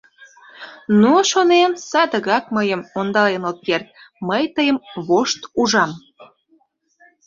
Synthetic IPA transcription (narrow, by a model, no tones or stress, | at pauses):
nuʃonensɑd̪əɣɑk̚məjəmond̪ɑlenot̪̚kert̪̚məjt̪əjəmβoʃt̪uʒɑm